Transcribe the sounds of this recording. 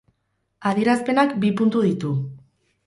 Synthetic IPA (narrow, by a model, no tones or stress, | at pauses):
aðieɾaspe̞nakbipunt̪uðit̪u